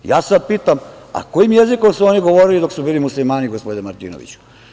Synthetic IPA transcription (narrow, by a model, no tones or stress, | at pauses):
jaːsad̪̚piːt̪am | a̰ko̞jimje̞ziko̞msuo̞niɡo̞ʋoɾilid̪o̞ksubiːlimuslimaːniɡospod̪nmaɾt̪ḭːnoʋḭt͡ɕu̥